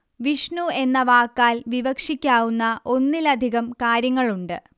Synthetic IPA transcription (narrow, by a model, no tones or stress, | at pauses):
ʋiʂɳue̞nːɐʋaːkːaːlʋiʋɐkʂikʲːaːʋunːɐʔo̞nːilɐd̪ʱiɣɐmkaːɾjɐŋːɐɭuɳɖɨ